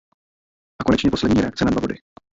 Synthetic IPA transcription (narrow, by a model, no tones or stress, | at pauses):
ʔakonɛt͡ʃɲɛpo̞slɛdɲiːɾɛakt͡sɛnadvabo̞dɪ